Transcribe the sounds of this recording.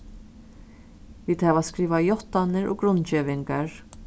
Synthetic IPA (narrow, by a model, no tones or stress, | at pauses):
viːd̪hɛvaskɾiːvajɔht̪anɪɾʔɔ̰ɡɾʊnːt͡ʃeːvɪŋkaɾ